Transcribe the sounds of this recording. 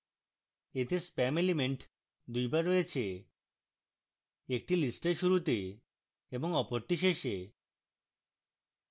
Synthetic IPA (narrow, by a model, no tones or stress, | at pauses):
et̪espɛmelimeɳʈ | d̪ujbaɾːojet͡ɕʰe | ek̚ʈilisʈeɾʃuɾut̪e | eboŋɔpoɾt̪iʃ̬eʃe